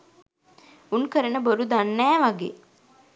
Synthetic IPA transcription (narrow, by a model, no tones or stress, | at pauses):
unkəɾənəboɾud̪anːæːʋaɡḛː